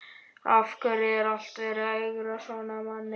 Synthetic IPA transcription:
afkaɾɪɛɾal̥t̪veɾajɣɾasɔnamanːɪ

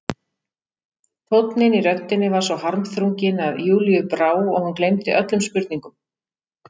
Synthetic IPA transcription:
θʰot̪nɪniɾœt̪ɪnːɪvaɾ̥svɔwhaɾmθɾuŋcɪnaðjuːlijʏpɾaːwɔɣhunklejmt̪ɪ̰ʔœt̪lʏmspʏɾt̪niŋkʏm

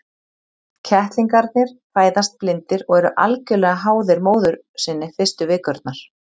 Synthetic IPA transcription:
cʰɛht̪liŋkaɾt̪nɪɾ̥paːjðast̪̚plɪnt̪ɪɾɔɣɛɾʏʔa̰lcʏlɛɣaɦaːwðɪɾmoːwðʏɾ | sɪnːɪfɪst̪ʏvɪːkœɾt̪naɾ̥

